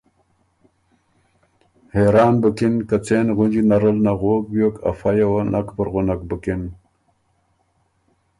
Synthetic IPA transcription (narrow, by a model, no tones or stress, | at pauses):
heɾɑːnbəkinkat͡seːnɣʊnd͡ʒinaɾəlnaɣokbjoka̰fajawanʔakpəɾɣʊnak̚bəkin